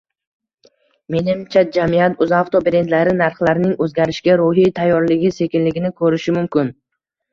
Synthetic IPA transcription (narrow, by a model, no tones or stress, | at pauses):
me̞nɪmt͡ʃʰad͡ʒamijat̪ʊzaft̪ʰobɾe̞nd̪laɾɪnaɾχlaɾnɪŋɵzɡʲaɾɪʃkʲaɾʊɦijt̪ʰajːɒɾlɪɡʲɪse̞kʲɪnlɪɡʲɪnɪkʰɵɾɪʃɪmʊmkʲɪn